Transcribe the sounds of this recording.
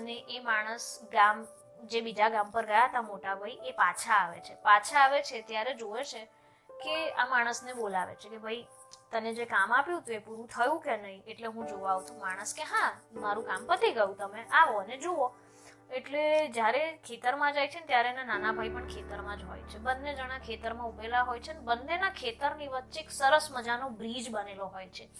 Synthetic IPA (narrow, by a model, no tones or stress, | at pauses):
əneʔemaɽ̃əsɡam | d͡ʒebid͡ʒaɡampəɾɡəjaɦt̪amoʈabʱaiʔepat͡ʃʰaːʋḛt͡ʃʰepat͡ʃʰaːʋet͡ʃʰet̪jaɾed͡ʒoʋet͡ʃʰe | kea̰maɽ̃əsnebolaʋḛt͡ʃʰekebʱai | t̪əned͡ʒekamapjũt̪uepuɾũt̪ʰəjũkenəɦĩeʈleɦũd͡ʒoʋaʋt̪ũmaɽ̃əskeɦãmaɾũkampət̪iɡəjũt̪əmeʔaʋoəned͡ʒoo | eʈled͡ʒjaɾekʰet̪əɾmãd͡ʒajt͡ʃʰenet̪jaɾenenanabʱaipəɳkʰet̪əɾmãd͡ʒɦo̰jt͡ʃʰebənːed͡ʒəɽ̃akʰet̪əɾmãubelaɦojt͡ʃʰeənebənːenakʰet̪əɾniʋətːʃeeksəɾəsməd͡ʒanobɾid͡ʒbəneloɦojt͡ʃʰe